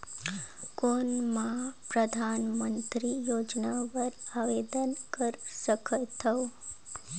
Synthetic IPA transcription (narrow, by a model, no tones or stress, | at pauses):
konmãpɾəd̪ʱanmənt̪ɾijod͡ʒnaʋəɾaʋed̪ənkəɾsəkʰət̪ʰəo